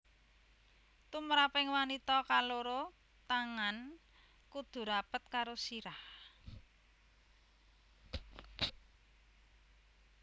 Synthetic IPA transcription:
t̪umɾapɪŋwanit̪ɔkaloɾo | t̪aŋan | kud̪̥ṳɾapət̪̚kaɾosiɾah

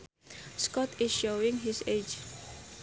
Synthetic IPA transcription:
skɔtɪsʃoĩŋɦised͡ʒ

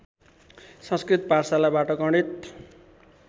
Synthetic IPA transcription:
sʌ̃nskrit̪parsalabaʈʌɡʌɳɖit̪

